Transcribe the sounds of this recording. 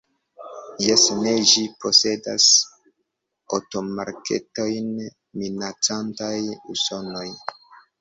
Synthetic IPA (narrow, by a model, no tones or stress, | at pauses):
jesne̞ʒipo̞se̞das | o̰to̞maɾkʰe̞̰to̞jn | minat͡santajṵso̞no̞j